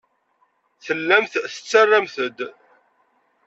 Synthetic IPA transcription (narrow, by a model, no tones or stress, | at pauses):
θəlːæmθθə̥t͡sːarːamθəd̪